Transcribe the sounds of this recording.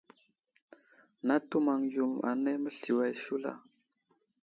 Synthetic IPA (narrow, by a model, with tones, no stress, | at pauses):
na˦tu˦ma˨ŋju˨ma̰˨ne˦mə˦ɬi˨wa˨jʃu˦la̰˨